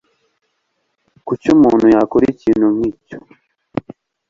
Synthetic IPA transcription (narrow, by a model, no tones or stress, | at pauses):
kut͡ʃumuːn̤ujakuɾicinuŋit͡ʃo̥